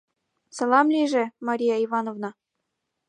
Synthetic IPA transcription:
sɑlˠɑmlʲiʒĕmɑɾʲijɑivɑnovnɑ

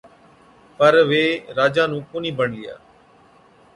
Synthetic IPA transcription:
pəɾʋeːɾaːd͡ʒãːnũːkʊniːbəɳija̰ː

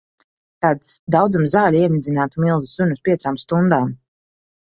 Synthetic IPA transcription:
t̪aːt̪sd̪awd̪zamzaːlʲiɛnid̪zʲinaːt̪umilˠzusuɲuspʲiɛt̪saːmst̪und̪aːm

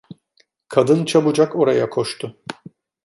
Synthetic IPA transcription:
kʰad̪ɯnt͡ʃʰabɯd͡ʒako̞ɾajakʰo̞ʃt̪ʰʊ

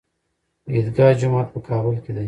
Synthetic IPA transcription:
id̪ɡɑːd͡ʒʊmɑːt̪̚pəkʰɑːbʊlked̪a

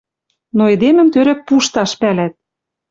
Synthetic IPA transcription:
noed̪emɘ̆mt̪øɾæk̚puʃt̪ɑʃpælæt̪̚

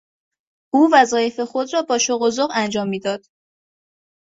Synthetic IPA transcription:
ʔuːvæzɒːje̞fe̞xo̞d̪rɒːbɒːʃoɣozoɣænd͡ʒɒːmːiːd̪ɒːd̪̥

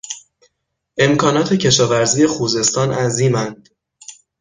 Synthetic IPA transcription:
ʔe̞mkʰɒːnɒːt̪ʰe̞cʰe̞ʃɒːvæɾziːje̞xuːze̞st̪ɒːnʔæziːmænd̪̥

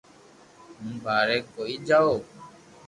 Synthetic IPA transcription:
mũbaːɾɛkːoiːd͡ʒao

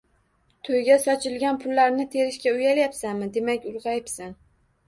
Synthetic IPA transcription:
t̪ʰojɡʲasɒt͡ʃʰɪlɡʲanpʰʊlːaɾnɪt̪ʰe̞ɾɪʃkʲaʊjaljapsanmɪd̪e̞makʲʊlˠʁɑjɪpsan

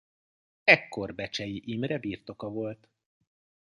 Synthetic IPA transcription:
ɛkːo̞rbɛt͡ʃɛjiʔimrɛbiːrt̪o̞kɒvo̞lt̪

